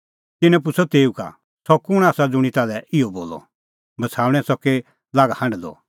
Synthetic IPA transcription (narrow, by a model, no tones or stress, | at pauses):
t̪ɪnɛ̃p̬ʊsʰɔt̪eːuka̰ | sɔkʊɽ̃aːsad͡zʊɽ̃it̪aːlɛɪɔboːlɔ̰ | bɐt͡sʰaːʋɽ̃ɛ̃sɔke | laːɡahɐ̃ɳɖd̪ɔ̰